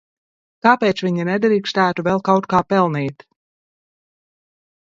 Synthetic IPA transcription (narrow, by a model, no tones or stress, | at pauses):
kaːpeːt̪svʲiɲinɛd̪ɾiːkst̪æːt̪uvɛlˠkawt̪kaːpɛlˠniːt̪